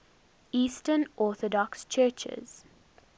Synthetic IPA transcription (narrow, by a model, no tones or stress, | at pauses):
iːstənʔɔːˑθɔdɔkst͡ʃʰɜːt͡ʃɪ̰z̥